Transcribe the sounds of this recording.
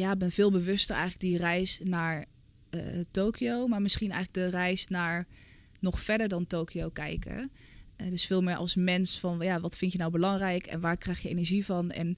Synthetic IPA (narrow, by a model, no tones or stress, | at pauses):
jaːɪɡ̚bɛnv̥ɪːlˠbəʋɵstəɹʔɛ̰jχləɡ̚dirɛjsnaːɹ | toːkʰiowmaːɹmɪsχinɛ̰jχləɡ̚dərɛjsnaːɹ | nɔχfɛɹdəɹdɑntoːkiowkɛ̰jkə̰ | dɵsfɪːlˠmɪːɹʔɑ̰lˠsmɛnsfɑnjaːʋɑtfɪntjənawbəlɑŋrɛjkɛ̰nʋaːɹkrɛjxjəenəɹʒivɑnɛ̰n